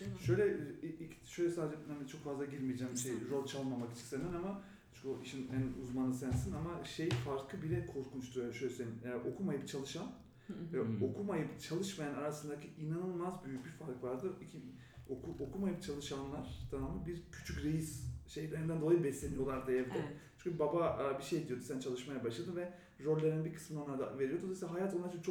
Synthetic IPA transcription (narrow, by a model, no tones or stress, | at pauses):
ʃø̞jlʲɛii̥ʃøjlʲɛsaːd̪ed͡ʒɛhanit͡ʃʰo̞kfazlˠaɟiɾmijd͡ʒæːmʃejɾo̞lʲˠt͡ʃʰalˠmamaki̥t͡ʃʰi̥nsend̪inama | t͡ʃʰyoiʃinænuzmanɯsænsinamaʃejfaɾkʰɯbilʲɛkʰo̞ɾkʰunt͡ʃt̪ʰuʃøjlʲɛsenimɛʔo̞kʰumajɯpt͡ʃʰalˠɯʃan | vɛo̞kʰumajɯpt͡ʃʰalˠɯʃmajanaɾasɯnd̪acʰiʔinanɯlˠmazbyjyc̚bifaɾkvaɾd̪ɯicʰi | okʰuʔokʰumajɯpt͡ʃʰalˠɯʃanlˠaɾ̥d̪̥ʰamamɯbiɾcʰy̥t͡ʃʰycɾejisʃe̞jlʲeɾind̪ænd̪oajibɛslʲe̞nijo̞lˠaɾd̪ejɛvd̪ɛt͡ʃʰy̥ɲcʰʲybababiʃe̞jd̪ijo̞d̪usænt͡ʃʰalˠɯʃmajabaʃlˠad̪ɯmvɛ | ɾølʲːeɾinbikʰɯ̥smɯnaonˠaɾd̪a̰veɾijod̪od̪ˠaisilaɦajat̪oaɾt͡ʃʰɯnt͡ʃʰo